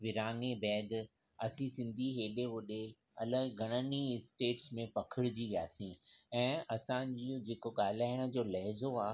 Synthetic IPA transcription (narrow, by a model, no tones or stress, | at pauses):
ʋɪɾaːŋebɛːd̪ | ɐsĩsɪ̃nd̪ʱiɦeːɗeʋʊɗe | ɐləɡɡʱɐɽ̃əniɪsʈeːʈsmẽpɐkʰɪɽd͡ʑiʋija̰ːsĩɛ̃ːɐsãd͡ʑiõd͡ʑeːkoɠaːl̤aːɪɽ̃ə̆d͡ʑoːlɐɦɪzoaː